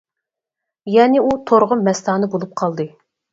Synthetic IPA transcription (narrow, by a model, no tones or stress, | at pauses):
jɛnɪut̪ʰoɾʁʊmmːɛst̪ɑːnɨbolˠup̚qʰɑlˠd̪ɨ